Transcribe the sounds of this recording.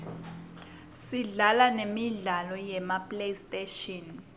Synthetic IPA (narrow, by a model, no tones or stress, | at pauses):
siɮalanemiɮalɔjɛmapʼlejstʼeʃɔn